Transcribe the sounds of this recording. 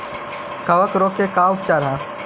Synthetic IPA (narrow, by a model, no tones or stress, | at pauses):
kɐʋəkɾoːkekaːʊp̚t͡ʃaːɾɦã